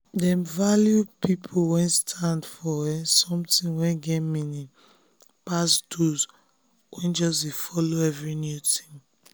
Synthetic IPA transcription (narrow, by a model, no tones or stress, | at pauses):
dɛ̃mvaljupipʰolwɛ̃nstʰãndfɔɛsɔ̃mtĩnwɛ̃nɡɛmĩnĩ | pasdoz | wʔɛ̃nd͡ʒɔs̬defɔloɛvɹinjutʰĩ̥m